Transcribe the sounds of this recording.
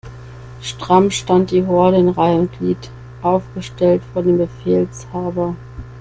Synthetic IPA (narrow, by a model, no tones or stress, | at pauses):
ʃtʁ̥amʃtant̚d̥iːɦɔɐɾəɪnʁaɪʊntliːt | ʔaʊfɡ̥əʃtɛltfoːɐdeːmbəfeːlshaːbɐ